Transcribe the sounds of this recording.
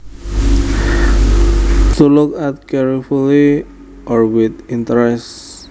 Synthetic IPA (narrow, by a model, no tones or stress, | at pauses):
tulukatkɛɹifuli | ɔɹwid̪ĩntəɹɛst